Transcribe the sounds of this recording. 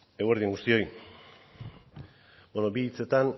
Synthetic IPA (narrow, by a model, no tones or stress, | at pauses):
eweɾðieŋɡust̪io̞j | bonobiːt͡se̞t̪an